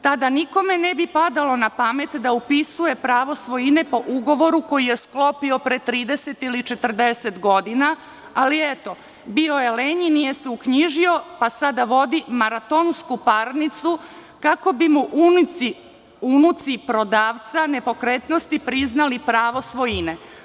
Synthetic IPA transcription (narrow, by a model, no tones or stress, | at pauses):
t̪ad̪aniko̞me̞nebipad̪alo̞napame̞t̪d̪aupisuje̞pɾaːʋo̞sʋo̞jine̞po̞ʔuɡo̞ʋo̞ɾuko̞jije̞sklo̞pio̞pɾet̪ɾiːd̪e̞se̞t̪ilit͡ʃet̪r̩d̪ese̞t̪ɡo̞d̪ina | aliet̪o̞ | bio̞jeleɲinije̞seukɲiʒio̞pasad̪aʋo̞d̪imaɾat̪onskupaɾnit̪su | kako̞bimuʔi | unut̪sipɾo̞d̪aːʋt̪sane̞po̞kɾet̪no̞st̪ipɾiznalipɾaːʋo̞sʋo̞jine̞